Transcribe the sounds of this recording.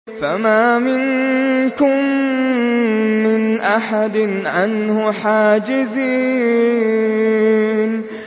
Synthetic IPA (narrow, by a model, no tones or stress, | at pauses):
famaːmɪnkʊm | ɪnʔaħad̪nʕanhʊħaːd͡ʒɪziː | n